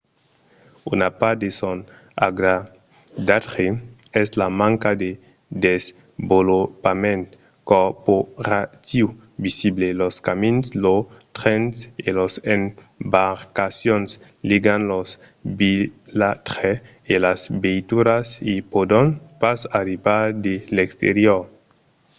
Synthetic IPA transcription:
ṵnapad̪eson | a̰ɡɾa | d̪at̪ʁeɛslamãŋkad̪e | d̪ez | bolopamẽnt̪ | koporat̪iu | bisibleloskaminslot̪ɾenselosem | baɾkasjons | liɡanlos | bilat̪ɾe | elasbejt̪uɾasipod̪onpasaɾibaɾd̪elekst̪ḛɾjoɾ

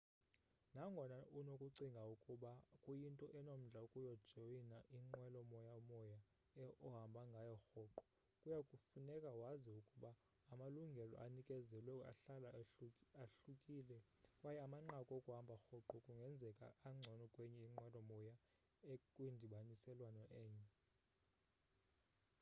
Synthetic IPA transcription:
naŋɡʱɔnaʔunokʼuǀiŋɡʱaukʼuɓakʼujintʼɔʔɛnom̩ɮʱaukʼujɔd̥ʒ̥ʱojinaʔiŋ͡ǃwɛlɔmɔjamɔja | ɔɦambʱaŋɡʱajɔxɔǃɔ̥ | kʼujakʼufunɛkʼawaziukʼuɓaː | maluŋɡʱɛlɔ̰ʔanikʼɛzɛlwɛa̰ɬalaaɬukʼiːlɛ | wajɛamaŋ͡ǃakʼɔokʼuɦambʱaxɔǃɔkʼuŋɡʱɛnd͡zʱɛkʼa̰aŋ͡ǀʱɔnɔkʼwɛɲɛiŋ͡ǃwɛlɔmɔja | ekʼwindʱiɓanisɛlwanɔʔɛːɲɛ

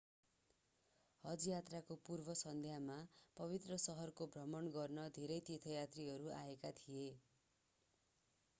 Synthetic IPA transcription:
hʌd͡zijat̪rakopurbʱʌsʌnd̪ʱjamapʌβit̪rʌsʌɦʌrkobʱrʌmʌnɡʌrnʌd̪ʱeɾʌjt̪it̪ʰʌjat̪riɦʌɾua̰ekat̪ʰije

